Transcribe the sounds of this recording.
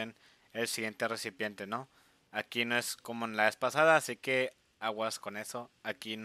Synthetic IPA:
en | elsiɣjent̪eresipjent̪eno | akinoeskomoenlaespasaðaːsike | awaskonesoakin

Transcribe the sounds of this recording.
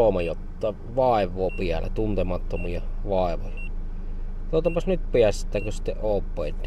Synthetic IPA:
omɑjot̪ːɑˑː | ʋɑˑeʋˑoːpiælæ̰t̪unt̪emɑt̪ːomiɑʋɑˑeʋo̰jɑ | t̪oˑot̪ːɑpɑsnyt̪piæst̪ːˑæːkøsi̥t̪ːeʔʔoˑːpːˑeˑent̪ː

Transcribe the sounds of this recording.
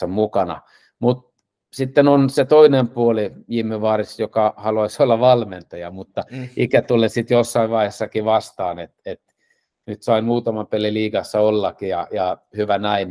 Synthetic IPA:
ɑmukɑnɑ̰ | mut̪̚ | sit̪ːenonset̪oinempuoliimeʋɑːrisjokɑhɑluɑisolːɑʋɑlment̪ɑjɑmut̪ːɑikæt̪ulesit̪josːɑiʋʋɑihesːɑkiʋɑst̪ɑːnet̪et̪ | nyt̪sɑimuːt̪ɑmɑmpeliliːɡɑsːɑolːɑkijɑjɑhyʋænæim

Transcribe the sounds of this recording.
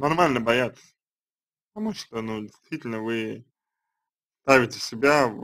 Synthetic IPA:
nanmalʲnəbajat̪s | pɪt̪amuʃt̪onudʲɪst̪vʲiːt̪ʲɪlʲnəvɪ | st̪ajvʲɪt̪ʲɪsʲɪbʲa

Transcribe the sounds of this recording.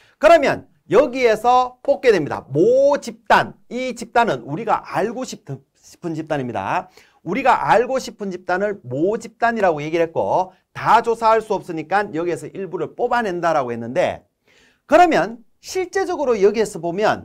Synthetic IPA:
kɯɾʌmjʌ̰n | jʌɡie̞sʰʌp͈ok͈̚e̞dwe̞mɲida̰mot͡ɕip̚t͈anit͡ɕip̚t͈anɯnuɾiɡa̰ʔaɭɡoɕʰipʰ | ɕʰi̥pʰɯnd͡ʑip̚t͈aɲimɲida̰ | uɾiɡaʔaɭɡoɕʰipʰɯnt͡ɕip̚t͈anɯɭmod͡ʑip̚t͈aɲiɾaɡoje̞ɡiɾɦe̞t̚k͈o̰ | tad͡ʑosʰaɦaɭs͈uʌp̚s͈ɯɲik͈anjʌɡie̞sʰʌʔiɭbuɾɯɭp͈obane̞ndaɾaɡoɦe̞nːɯnde̞̰ | kɯɾʌmjʌn | ɕʰiɭt͡ɕ͈e̞d͡ʑʌɡɯɾojeɡiɦe̞sʰʌbomjʌ̰n

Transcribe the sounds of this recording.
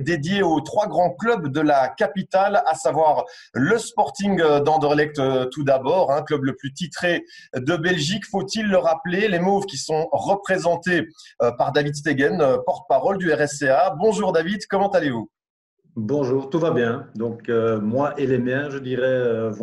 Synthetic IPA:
d̪ed̪jeot̪χwaɡʁɑ̃klœbd̪əlakapit̪alasavwaʁ | ləspɔʁt̪iŋd̪ɑ̃d̪əʁlɛk̚t̪t̪ud̪abɔʁɛ̃klœbləplyt̪it̪χed̪əbɛlʒikfot̪ilːəʁaplelemovkʲisɔ̃ʁəpχezɑ̃t̪eøpaʁd̪avid̪s̬t̪eɡɛnøpɔʁt̪ə̥paʁɔld̪yɛʁɛseabɔ̃ʒuːʁd̪avid̪kɔmɑ̃t̪alevu | bɔ̃ʒuːʁt̪uvabjɛ̃d̪ɔ̃kømwaʔelemjɛ̃ʒəd̪iʁɛøv

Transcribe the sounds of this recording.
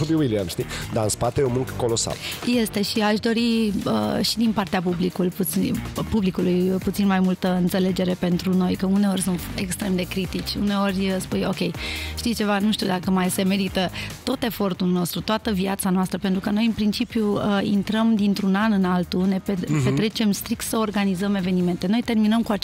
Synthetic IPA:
obiwiliamʃt̪id̪aɨnspat̪eomɨŋkə̥ko̞lo̞sa̰lje̞st̪e̞ʃiaʃd̪o̞ɾiəʃid̪inpart̪eap̬ublikulpuipublikulujput̪sinmajmult̪əɨnt̪se̞le̞d͡ʒe̞ɾe̞pe̞nt̪ɾuno̞jkəune̞o̞rʲsunt̪e̞̰kst̪ɾe̞md̪e̞kɾit̪it͡ʃʲṵne̞o̞rʲspujo̞kʲe̞jʃt̪ijt͡ʃe̞vanuʃt̪iud̪akəmajse̞me̞ɾit̪ət̪o̞t̪e̞fo̞rt̪ulno̞st̪ɾut̪oat̪əviat̪sanoast̪ɾəpe̞nt̪ɾukəno̞jɨnpɾint͡ʃipjuəḭnt̪ɾəmd̪int̪ɾunanɨnalt̪une̞pepe̞t̪ɾe̞t͡ʃe̞mst̪ɾik̚t̪səo̞rɡanizəme̞ve̞nime̞nt̪e̞no̞jt̪e̞rminəmkua

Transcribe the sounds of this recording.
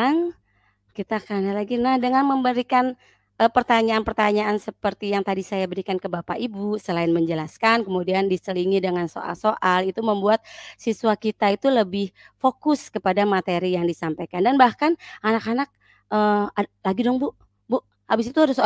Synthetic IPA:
ŋ | kit̪akanalaɡinahdəŋanməmbəɾikan | əpərt̪aɲaːnpərt̪aɲaːnsəpərt̪ijaŋt̪adisajabəɾikankəbapaʔibusəlaɪnməɲd͡ʒəlaskankəmudiandisəliŋidəŋanso̰ʔa̰lsoʔalit̪uməmbuat̪̚siswakit̪ait̪uləbɪh | fokʊskəpadamat̪eɾijaŋdisampajkandanbahkananakanak̚ | ʔəalaɡidɔŋbuʔ | buʔ | habɪsit̪uadaso

